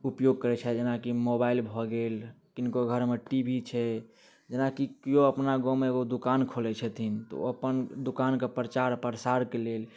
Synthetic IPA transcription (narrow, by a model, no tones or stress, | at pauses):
upjoɡ̚kəɾɛt͡ʃʰɛd͡ʒenakimobailbʱɔɡelkinkoɡʱəɾmeʈibʱit͡ʃʰɛ | d͡ʒenakikijoəpnaɡomeeɡod̪ukankʰolɛt͡ʃʰət̪ʰint̪ɔ̰əpənd̪ukankepɾət͡ʃaɾpəɾsaɾkelel